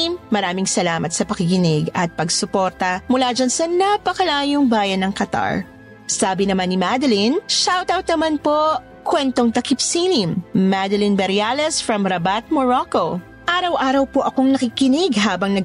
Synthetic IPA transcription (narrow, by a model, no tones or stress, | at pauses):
mːɐɾaːmɪŋsɐlaːmɐt̪sɐpɐkɪkɪnɪɡɐt̪̚pɐɡsʊpoɾt̪ɐmʊlaːd͡ʒansɐnapɐkɐlaːjoŋbaːjɐnːɐŋkɐt̪a̰ɹ | saːbɪnɐmanːimad̪ɐlinʃawt̪awt̪̚nɐmanpo | kwɛnt̪o̞ŋt̪ɐkipsilimːad̪ɐlinbɛɾjalɛsfɹɐmɾɐbat̪̚moɹoko | ʔaːɾɐwʔaːɾɐwpoʔɐko̞ŋnɐkikɪnɪɡɦaːbɐŋnɐɡ